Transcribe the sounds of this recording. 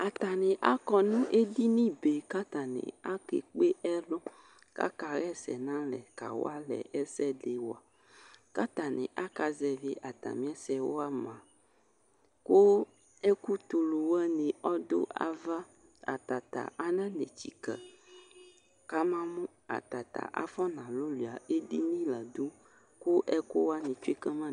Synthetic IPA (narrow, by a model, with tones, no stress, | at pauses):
a˨t̪a˨nẽ˨ʔa˦kɔ˦nũ˦ʔe˦di˦nĩ˦be˨ka˦t̪a˨nḛ̃˨a˦kḛ˨k͡pe˦ʔɛ˦lɔ˦ | ka̰˦ka˨ɣɛ˦sɛ̰˨nã˦lɛ˨ka̰˨wo̰˦a˦lɛ̰˨ɛ˦sɛ˦ɖe˨wo˨a˨ | ka˦t̪a˨nḛ̃˨ʔa˦ka˨zɛ˨ve˦ʔa˨t̪a̰˨mĩ˦ɛ˦sɛ˨wo̰˦a˦mã˨ | ko˦ | ɛ˦ku˦t̪o˨lo˨wɛ˦nẽ˨ʔɔ˦d̪o̰˦a̰˨va˦ | a̰˨t̪a˨t̪a̰˨ʔa˦nã˦nẽ˨t͡ɕi˨kɛ˨ | ka˦mã˦mũ˦ | a̰˨t̪a̰˨t̪a̰˨ʔa̰˦fɔ˦nã˨lo˦lu˨a˨e˦di˦nĩ˦la˨d̪o˦ | ku˦ʔɛ˦ko˦wa˦nẽ˨t͡ʃu˦e˦kɛ˦mã˦